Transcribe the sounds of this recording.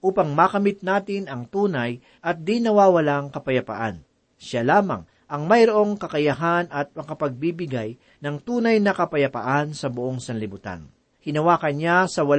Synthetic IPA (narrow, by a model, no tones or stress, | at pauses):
ʔuːpɐŋmakɐmɪt̪̚naːt̪ɪnɐŋt̪uːnɐj | ʔɐt̪̚d̪inɐwaːwɐlaŋkɐpɐjɐpɐ̰ʔan | ʃalaːmɐ̰ŋ | ʔɐŋmɐjɾoʔo̞ŋkɐkɐjɐɦanɐt̪̚mɐkɐpɐɡ̚bibɪɡaj | nɐŋt̪uːnɐjnɐkɐpɐjɐpɐ̰ʔansɐbʊʔo̞ŋsɐnlɪbʊt̪a̰n | hɪnɐwaːkɐnɲasɐwɐl